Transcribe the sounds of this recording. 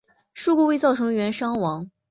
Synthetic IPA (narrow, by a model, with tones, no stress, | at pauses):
ʂu˥˧ku˥˧we˥˧ɪt͡sɑ˥˩ʊʈ͡ʂʰɤ˧˥ŋɥɛ˧˥nʂɑ˥ŋwɑ˧˥ŋ